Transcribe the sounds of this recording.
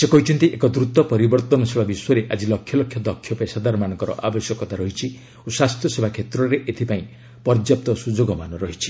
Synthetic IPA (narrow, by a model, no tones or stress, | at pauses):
sekɔɦit͡ʃʰɔnt̪iʔekɔd̪ɾut̪ɔpɔɾibɔɾt̪ɔnɔsebʱabiswɔɾeʔad͡ʒilɔkʰjɔlɔkʰjɔd̪ɔkʰːjɔpaesad̪aɾɔmanɔ̃ŋkɔɾɔ̰ʔabesjɔkɔt̪aɾɔɦit͡ʃʰi | osast̪ʰjɔsebʱakʰet̪ɾɔɾeʔet̪ʰipaĩ | pɔɾd͡ʒjap̚t̪ɔsud͡ʒoɡɔmanɔɾɔɦit͡ʃʰi̥